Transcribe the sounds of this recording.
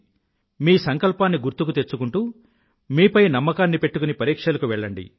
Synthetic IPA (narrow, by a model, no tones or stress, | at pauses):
miːsɐŋkɐlpaːnːiɡuɾt̪ukut̪e̞t͡ʃːukuɳʈuː | miːpɐjnɐmːɐkaːnːipe̞ʈːukunipɐɾiːkʂɐlɐkuʋɛɭːɐɳɖḭ